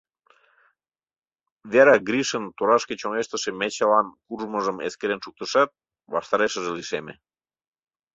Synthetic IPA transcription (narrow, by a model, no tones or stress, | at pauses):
βeɾɑɡɾʲiʃənt̪oɾɑʃkĕt͡ɕoŋeʃt̪ə̆ʃĕmet͡ɕelɑnkuʒmə̆ʒəmḛskeɾenʃuk̚t̪əʃɑt̪̚ | βɑ̰ʃt̪ɑɾeʃə̆ʒĕliʃemḛ̆